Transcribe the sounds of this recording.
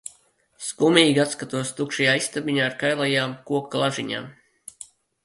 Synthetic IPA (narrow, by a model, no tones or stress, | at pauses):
skumiːɡʲat̪skat̪uɔst̪ukʃajaːist̪abiɲaːɾkajlˠajaːmkuɔkːlˠaʒiɲa̰ːm